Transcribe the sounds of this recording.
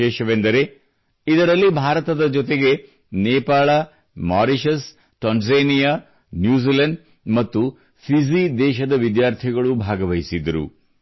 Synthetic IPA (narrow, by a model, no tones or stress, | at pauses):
ɛːʃɐʋend̪ɐɾe̞ | id̪ɐɾɐlːibʱaːɾɐt̪ɐd̪ɐd͡ʒɔt̪̬e̞ɡe̞ | neːpaːɭɐ | maːɾiʃɐs | ʈɐnzenijaː | njuːzilɐɳɖ | mɐt̪ːu | pʰizid̪ɛːʃɐd̪ɐʋid̪jaːɾt̪ʰiɡɐɭubʱaːɡɐʋɐjisid̪ɐɾṵ